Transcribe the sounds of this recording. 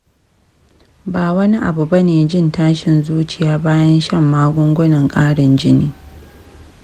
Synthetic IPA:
baː˨wɐ˦ni˦ʔa˨bu˨bɐ˦neː˨d͡ʒɪ˦˨ntaː˦ʃɪ˨nzuː˦t͡ʃɪ˨jaː˦baː˦jɐ˦nʃɐ˦˨mːaː˦ɡʷʊ˦ŋɡʷʊ˦nɐ˨ŋkʼaː˦ɽɪ˨nd͡ʒɪ˦niː˦

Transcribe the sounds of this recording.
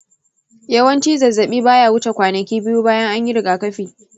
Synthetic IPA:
jɐ˦wɐ˦nt͡ʃiː˦zɐ˨zːɐ˨ɓiː˦baː˦jaː˨wʊ˦t͡ʃa˨kʷaː˨nɐ˨kʲiː˦bɪ˦juː˦baː˦jɐ˦ŋʔa˦ɲjɪ˦ɾɪ˨ɡaː˨kɐ˦ɸiː˨

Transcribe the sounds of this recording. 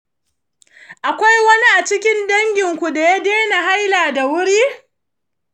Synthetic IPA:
ʔa˨kʷa˦jwɐ˦ni˦ʔa˨t͡ʃɪ˦kʲɪ˦ndɐ˦ŋɡʲɪ˨ŋkʷu˨da˨ja˦deː˦na˨ɦa˦jlaː˨da˨wʊ˦ɽiː˦

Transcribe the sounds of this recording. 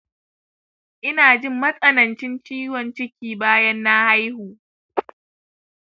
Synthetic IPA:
ʔɪ˦naː˨d͡ʒɪ˦mːɐ˦sʼɐ˨nɐ˨nt͡ʃɪ˦nt͡ʃiː˦wɔ˨nt͡ʃɪ˦kʲiː˨baː˦jɐ˦nːa˦ha˦jhuː˨

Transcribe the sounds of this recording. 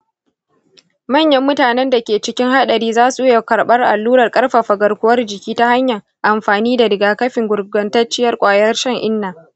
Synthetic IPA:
mɐ˦˨ɲjɐ˦mːʊ˦taː˨nɛ˦nda˨kʲeː˨t͡ʃɪ˦kʲɪ˦ŋha˦ɗɐ˨ɾiː˦zaː˦su˨˦ja˨kɐ˨ɾɓɐ˦rʔa˨lːuː˦ɾɐ˨rkʼɐ˦rɸa˨ɸɐ˨ɡɐ˨rkʷʊ˦wɐ˦rd͡ʒɪ˨kʲiː˦ta˦ha˦ɲjɐ˨ŋ | ʔa˨mɸaː˨niː˦da˨dɪ˨ɡaː˨kɐ˦ɸɪ˨ŋɡʷʊ˨ɾɡɐ˨ntɐ˦rt͡ʃɪ˦jɐ˦rkʷʼaː˨jɐ˦rʃɐ˦ŋʔɪ˦nːaː˨

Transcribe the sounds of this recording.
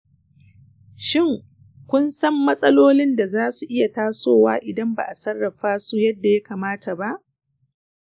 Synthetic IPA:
ʃɪ˦˨ŋ | kʷʊ˦nsɐ˦mːɐ˦sʼɐ˦loː˦lɪ˦nda˨zaː˦su˨ʔɪ˦ja˨taː˦soː˦˨wa̰ː˦ʔɪ˨dɐ˦mba̰˨ʔa˨sɐ˦rːɐ˨ɸaː˦su˦jɐ˦dːa˨ja˦kaː˨maː˦ta˨ba˦ʔ

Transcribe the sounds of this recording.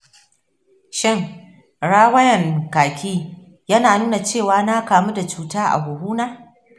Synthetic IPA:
ʃɪ˦˨ŋ | ɽaː˦wɐ˦jɐ˨ŋkaː˨kʲiː˦ | jɐ˦naː˨nuː˦na˨t͡ʃeː˦˨waː˨˦na˦kaː˨mu˦da˨t͡ʃuː˦taː˦ʔa̰˨ɡʷʊ˨huː˦naː˦

